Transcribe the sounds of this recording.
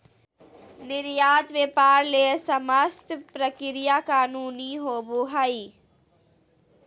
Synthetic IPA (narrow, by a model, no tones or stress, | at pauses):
nɪɾjaːt̪ʋeːpaːɾleːsəməst̪pɾəkɪɾɪjakaːnuːniɦoːboɦaːiː